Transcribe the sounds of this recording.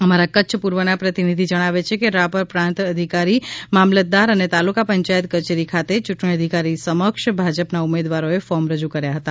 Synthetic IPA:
əmaɾakətːʃʰəpuɾʋənapɾət̪inid̪ʱid͡ʒəɽ̃aʋet͡ʃʰekeɾapəɾpɾãnt̪əd̪ʱikaɾimamlət̪̚d̪aɾənet̪alukapəɲt͡ʃajət̪kət͡ʃeɾikʰat̪et͡ʃʊʈɳiəd̪ʱikaɾisəməkʃbʱad͡ʒəpnaumed̪ʋaɾoefɔmɾəd͡ʒukəɾjaɦət̪a

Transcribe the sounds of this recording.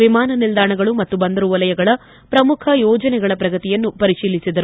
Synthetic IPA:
ʋimaːnɐnild̪aːɳɐɡɐɭumɐt̪ːubɐnd̪ɐɾuʋɐlɐjɐɡɐɭɐ | pɾɐmukʰɐjɔːd͡ʒɐnɛɡɐɭɐpɾɐɡɐt̪ijɐnːupɐɾiʂiːlːisid̪ɐɾu

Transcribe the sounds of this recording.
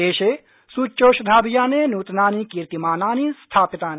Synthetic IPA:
eːʃe | suːt͡ʃːoːʃd̪ʱaːbijaːneːnuːt̪naːnikiɾt̪imaːnaːnist̪ʰaːpit̪aːn

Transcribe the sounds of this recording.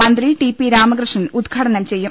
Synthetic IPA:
mɐnd̪riʈipːiɾaːmɐɡɾɨʂɐnud̪ɡʰʱɐʈɐnɐmt͡ɕe̞jːum

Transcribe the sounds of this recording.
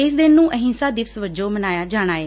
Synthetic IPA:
ɪsd̪ɪnːũːʔəɦɪ̃nsaːd̪ɪʋsʋəd͡ʒoːmənaːjaːd͡ʒaːɽ̃aːeː

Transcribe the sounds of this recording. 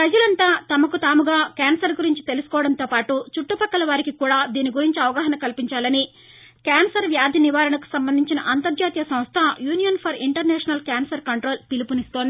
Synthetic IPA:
pɾɐd͡ʒɐlɐnt̪aːt̪ɐmɐkut̪aːmuɡaːkaːnsɐɾɡuɾiɲt͡ʃi̥t̪e̞lusu̥kɔːʋɐɽɐnt̪oːpaːʈut͡ʃuʈːupɐkːɐlɐʋaːɾikikuːɽaːd̪iːniɡuɾiɲt͡ʃiɐʋɐɡaːɦɐnɐkɐlpiɲt͡ʃaːlɐni | kaːnsɐɾʋjaːd̪ʱjɐniʋaːɾɐnɐku̥sɐmbɐnd̪ʱiɲt͡ʃinɐʔɐnt̪ɐɾd͡ʒaːt̪ijɐsɐ̃w̃st̪ʰɐjuːnijɐnpʰɐɾiɳʈɐɾnɛːʂɐnɐlkjaːnsɐɾkɐɳʈɾo̞ːlpilipunist̪oːnd̪i

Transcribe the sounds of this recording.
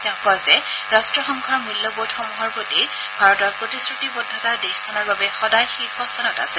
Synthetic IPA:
tapɔazɛɹastɹɔxɔŋkʰɔɹmɹilːɔbotxɔmuɦɔɹpoti | bʱaɹɔtɔɹpɹotisɹutibɔdʱːatadexkʰɔnɔɹbabɛxɔdajxixɔstʰanɔta̰sɛ

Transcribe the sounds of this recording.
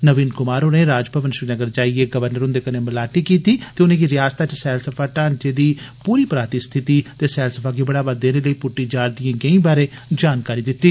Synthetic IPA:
nəʋiːnkʊmaːɾoːneːɾaːd͡ʒpəʋənʃɾiːnəɡəɾd͡ʒaːieːɡəʋəɾnəɾʊ̃nd̪eːkəneːməlaːʈiːkiːt̪iːt̪eːʊnẽːɡiːɾɪjaːst̪aːt͡ʃsɛːlsəpʰaːʈaːnt͡ʃeːd̪iːpuːɾiːpɾaːt̪iːst̪ʰɪt̪iːt̪eːsɛːlsəpʰaːɡibəɽaːbad̪eːneːləiːpʊʈːiːd͡ʒaːɽd̪ɪjãːɡəĩːbaːɾeːd͡ʒaːnkaːɾiːd̪ɪt̪ːiː

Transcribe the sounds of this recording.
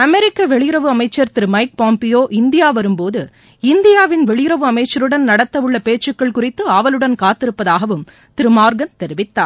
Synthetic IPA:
ɐmɛɾɪkːɐʋɛɭɪjɪɾɐʋɯɐmɐɪt͡ʃːɐɾt̪ɪɾɯmɐɪk̚paːmpɪjoːʔɪnd̪ɪjaːʋɐɾɯmpoːðɯ | ɪnd̪ɪjaːʋɪnʋɛɭɪjɪɾɐʋɯɐmɐɪt͡ʃːɐɾɯɽɐnnɐɽɐt̪ːɐʋɯɭːɐpeːt͡ʃːɯkːɐɭkʊrɪt̪ːɯaːʋɐlɯɽɐnkaːt̪ːɪɾɯpːɐðaːɣɐʋɯm | t̪ɪɾɯmaːɾɡɐnt̪ɛɾɯʋɪt̪ːa̰ːɾ

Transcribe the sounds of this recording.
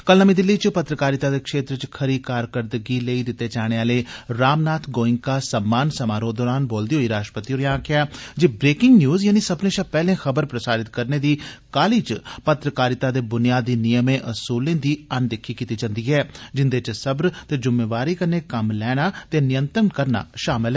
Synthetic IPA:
kəlnəmĩːd̪ɪlːiːt͡ʃpət̪ɾəkaːɾɪt̪aːd̪eːkʃeːt̪ɾt͡ʃkʰəɾiːkaːɾkəɾd̪əɡiːleiːd̪ɪt̪ːeːt͡ʃaːɽ̃eːaːleːɾaːmnaːt̪ʰɡoːɪ̃ŋkaːsəmːaːnsəmaːɾõːd̪ɔːɾaːnboːld̪iːɦoːiːɾaːʃʈɾəpət̪iːoːɾjãːkɪaːd͡ʒibɾeːkɪŋɡnjuːzjaːniːsəbnẽːt͡ʃəpɛːlẽːxəbəɾpɾəsaːɾɪt̪kəɾneːd̪iːkaːliːt͡ʃpət̪ɾəkaːɾɪt̪aːd̪eːbʊnijaːd̪iːnɪjəmẽːʔʊsuːlẽːd̪iːənd̪ɪkʰːiːkiːt̪iːd͡ʒãnd̪iːɦɛːd͡ʒɪnd̪eːt͡ʃsəbɾt̪eːd͡ʒʊmeːʋaːɾiːkəɾneːkəmlɛːɽ̃aːt̪eːnɪjənt̪ɾənkəɾna̰ːʃaːmɪlɛː

